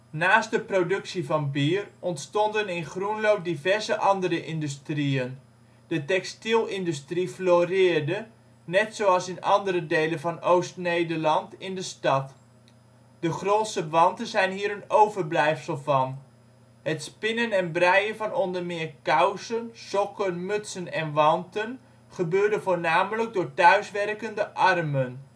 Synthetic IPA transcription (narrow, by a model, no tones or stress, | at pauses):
naːstdəprodɵksivɑnbiːərɔntstɔndənɪnχrunlowp̚divɛrzəʔɑndəɾəʔɪndystriən | d̥ətɛkstilˠɪndystrifloːrɪːrdə | nɛtsowɑlˠsɪnɑ̰ndəɾədejləvɑnowstnejdərlɑntɪndəstɑt | d̥əχroːtsəʋɑntənzɛjnɦiːəɾənowvərblɛjfsəlˠvɑn | hətspɪnənɛnbrɛjənvɑnɔndərmɪːrkawsənsɔkənmɵtsənɛnʋɑntən | χəbøːɹdəvoːɹnaːmələɡ̚dʊːɹtœɥsʋɛrkəndəʔɑrmən